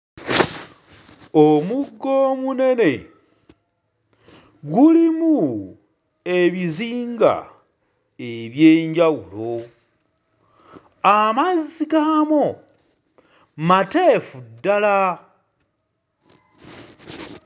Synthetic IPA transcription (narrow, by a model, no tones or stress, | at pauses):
omuɡːo̞ːmune̞ne̞ | ɡulimu | e̞βiziːŋɡa̰ | e̞βjeːɲɟawulo̞ | amazikamo | mate̞fudːala